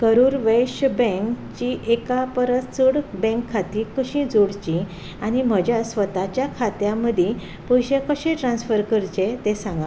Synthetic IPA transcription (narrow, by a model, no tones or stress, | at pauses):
kəɾuːɾʋeɕbɛ̃ŋk | t͡ɕiʔekapəɾət͡səɽbɛ̃ŋkʰːat̪ikəɕĩd͡zoɽt͡ɕĩ | añim̤əd͡ʑjasʋət̪at͡ɕjakʰat̪jãməd̪ʱje | pəjɕekəɕẽʈɾãnsfəɾkəɾt͡ɕet̪ẽsãŋɡa